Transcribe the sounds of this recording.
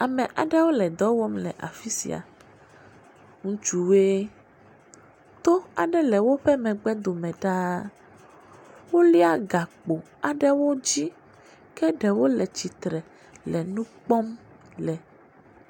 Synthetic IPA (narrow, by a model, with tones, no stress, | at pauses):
a˨mɛ̃˨ʔa̰˨ɖɛ˦wo˦lɛ˨d̪ɔ˦wɔ˦mlɛ̰˨ʔa̰˨fi˦sḭ˨a̰˨ | ŋũ˦t͡ʃu˨we˦ | t̪o˦a˨ɖɛ˦lɛ˨wo˦ɸɛ˦mɛ̃˨ɡ͡bɛ˦d̪o˨mɛ̃˨ɖa˦ | wo˦li˦a˨ɡa˨k͡po˨ | a˨ɖɛ˦wo˦d͡ʑi˦ | kɛ˦ɖɛ˨wo˦lɛ˨t͡ɕi˨t̪ɾɛ˨ | lɛ˨nũ˦k͡pɔ˦m | lɛ˨